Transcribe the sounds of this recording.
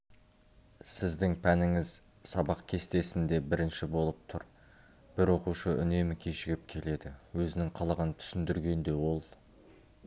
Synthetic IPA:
sɪzd̪ɪŋpʰænɪŋɪz | sɑbɑq̚kʲʰe̞st̪e̞sɪnd̪e̞bɪɾɪnʃɪbo̞lˠəp̚t̪ʰʊɾ | b̥ɪɾwo̞quʃəʔʏ̰ne̞mɪkʲʰeʃɪɡʲɪp̚kʲʰe̞le̞d̪ɪwɵzɪnɪŋqʰɑlˠəʁənt̪ʰʏ̥sɪnd̪ɪɾɡʲe̞nd̪e̞wo̞lˠ

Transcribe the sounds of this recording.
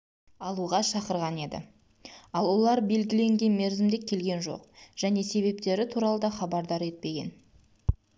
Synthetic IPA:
ɑlˠuʁɑʃɑqəɾʁɑne̞d̪ɪ̰ | ɑlˠwo̞lˠɑɾbe̞lɡʲɪle̞ŋɡʲe̞nme̞ɾzɪmd̪e̞kʲʰːe̞lɡʲe̞nʒo̞̰qʒ̥æne̞se̞βe̞pt̪e̞ɾɪt̪ʰuɾɑlˠəd̪ɑχɑbɑɾd̪ɑɾe̞t̪̚pe̞ɡʲe̞̰n

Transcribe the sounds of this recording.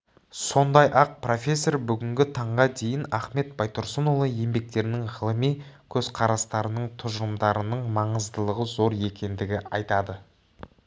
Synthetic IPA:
so̞nd̪ɑjʔɑq̚pro̞fʲe̞sːo̞rbʏɡʲɪŋɡʲɪt̪ʰɑɴʁɑd̪e̞jɪnæχme̞t̪̚bɑjt̪oɾsənolˠəje̞mbe̞k̚t̪e̞ɾɪnɪŋʁəlˠəmijkʲʰɵzqʰɑɾɑst̪ɑɾənəɴt̪ʰʊʒəɾəmd̪ɑɾənəɴmɑɴəzd̪əlˠəʁəzo̞ɾe̞kʲʰe̞nd̪ɪɡʲɪɑjt̪ɑd̪ə

